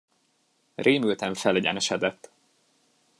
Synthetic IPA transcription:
reːmylt̪ɛɱfɛlɛɟɛ̰nɛʃɛd̪ɛt̪ː

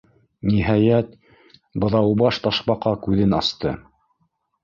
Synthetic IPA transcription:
niɦɑjæt̪ | bɤ̆ðɑwbɑʃt̪ɑʃpɑqɑkʉðɘnɑ̰st̪ɤ

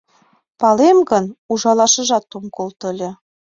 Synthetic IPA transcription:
pɑlemɡənuʒɑlɑʃə̆ʒɑt̪ːumkolt̪ə̆lʲĕ

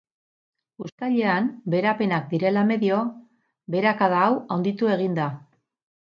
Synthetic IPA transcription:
ust̪aʎe̞anbe̞ɾape̞nak̚d̪iɾe̞lame̞ðio̞ | be̞ɾakaðaːwawnd̪it̪ue̞ɣ̞ind̪a

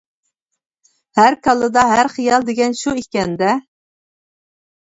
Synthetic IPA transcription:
hæɾkʰɑlˠɨd̪ɑɦæɾχijɑlˠd̪eɡʲɛnʃuikʲɛnd̪ɛ

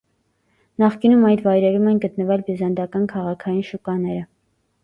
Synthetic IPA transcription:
nɑχkinumɑjt̪vɑjɾɛɾumɛnɡət̪nəvɛlbizɑnd̪ɑkɑnkʰɑʁɑkʰɑjinʃukɑnɛɾə

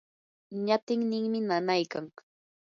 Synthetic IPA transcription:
ɲat̪ɪŋnɪŋmɪnanajkaŋ

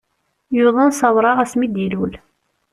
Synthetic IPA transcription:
juðˤənsɑwɾˤɑʁæsmid̪ilul

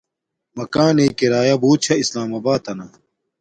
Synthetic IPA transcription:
mɐkaːneːkiɾaːjɐbuːt̪̚t͡ɕʰɐislaːmɐbaːt̪ɐnɐ

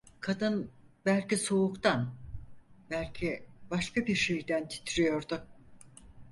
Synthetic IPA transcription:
kʰad̪ɯnbælʲciso̞ukt̪ʰan | bælʲcʰibaʃkabiɾʃe̞jd̪ænt̪ʰi̥t̪ʰiɾijo̞ɾd̪ʊ

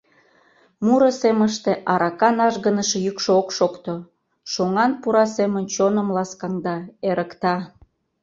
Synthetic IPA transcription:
muɾəseməʃt̪eʔɑɾɑkɑnɑʒɣənəʃejykʃookʃokt̪o | ʃoŋɑnpuɾɑsemənt͡ɕonə̆mlɑskɑŋd̪ɑeɾəkt̪ɑ

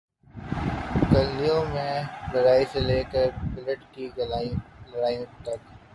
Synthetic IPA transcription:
kɐlːijõmẽlɐɾaːiseleːkəɾpɪləʈkiɡlɐɾaːijõt̪ɐk

